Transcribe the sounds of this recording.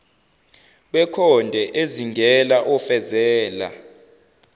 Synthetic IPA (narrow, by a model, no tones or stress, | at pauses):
ɓɛkʰɔndʱɛʔeziŋɡʱɛlaʔɔfɛzɛːla̰